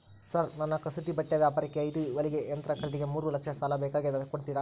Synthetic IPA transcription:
sɐɾnɐnːɐkɐsut̪ibɐʈːɐʋjaːpaːɾɛkːeɐjd̪uʋɐliɡeɐnt̪ɾɐkɐɾɐɽiɡe̞muːɾulɐkʂɐsaːlɐbɛːkaːɡed̪ɐkoɽt̪iːɾa

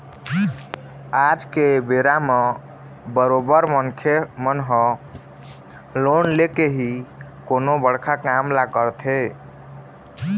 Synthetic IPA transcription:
ad͡ʒkebeɾame | bəɾobəɾmənkʰemənɦə̃ | lonlekeɦikonobəɽ̤kʰakamlakəɾt̪ʰe

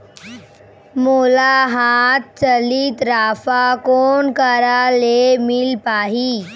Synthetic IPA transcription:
molaɦat̪̚t͡səliːt̪ɾafakonkəɾalemilpaɦiː

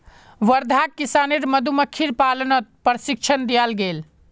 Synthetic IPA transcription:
ʋəɾd̪ʱakːisaneɾməd̪ʱuməkʰːiɾpalnət̪̚pɾəsik̚t͡ʃʰənd̪ijalɡel

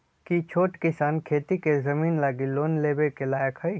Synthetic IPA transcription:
kit͡ʃʰoːʈkɪsaːnkʰeːt̪ikezɐmiːnlaːɡiloːnleːbekelaːjəkɦəi

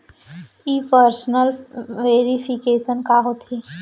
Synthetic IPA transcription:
iːpəɾsnəlʋeːɾipʰikeːʃənkaɦot̪ʰi

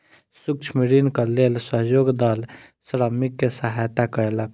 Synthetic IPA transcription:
sukt͡ʃʰmiɾinkəlelsəɦjoɡd̪əl | sɾəmikːesəɦajt̪akəɾelək

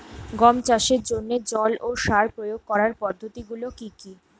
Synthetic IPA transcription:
ɡɔmt͡ɕaʃeɾd͡ʑonːed͡ʑɔlʔoʃaɾpɾojoɡ̚kɔɾaɾpɔd̪ʱːot̪iɡulokiki

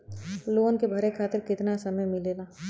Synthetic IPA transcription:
loːnkebʱɐɾekʰaːt̪ɪɾkɪt̪nasɐməjmɪleːlaː

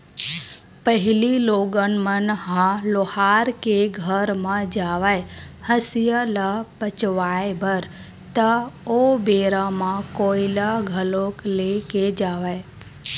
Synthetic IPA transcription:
pəɦililoɡənmənɦãlohaɾkeɡʱəɾmãd͡ʒaʋaj | həsijəlapət͡ʃʋajbəɾ | t̪əobeɾamãkoilaɡʱəlokleked͡ʒaʋaj

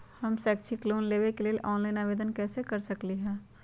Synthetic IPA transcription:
hɐmsɛːkt͡ʃʰikloːnleːʋekelieʔɔːnlaːɪnaːʋeːd̪ənkɛːsekɐɾsɐkliɦɛ̃ː

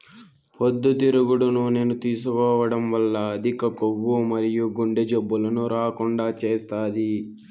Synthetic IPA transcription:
pod̪ːut̪iɾuɡuɽunune̞ːnut̪iːsukɔːʋɐɽɐmʋɐlːɐɐd̪ʱikɐkoʋwːumɐɾijuɡuɳɖed͡ʒebːulɐnuɾaːkuɳɖaːt͡ʃeːst̪aːd̪i

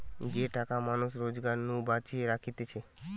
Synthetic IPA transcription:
d͡ʑeʈakamanuʃɾod͡ʑɡaɾnubat͡ɕieɾakʰit̪et͡ɕʰe

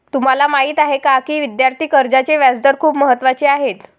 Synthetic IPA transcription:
t̪um̤alamaɦiːt̪aɦekakiːʋid̪jaɾt̪ʰiːkəɾd͡ʑat͡ɕeʋjad͡zd̪əɾkʰuːpməɦət̪ːʋat͡ɕeaɦet̪

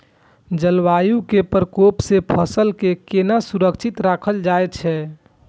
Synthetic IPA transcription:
d͡ʒəlʋajukepəɾkopsepʰəsəlkekenasuɾəkt͡ʃʰit̪ɾakʰəld͡ʒajt̪t͡ʃʰɛ

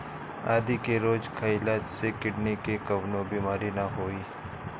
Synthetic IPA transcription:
a̰ːd̪ikeɾoːd͡ʒkʰaɪlaːd͡ʒsekɪɽnikekɐʋnõbiːmaːɾinaɦoːiː

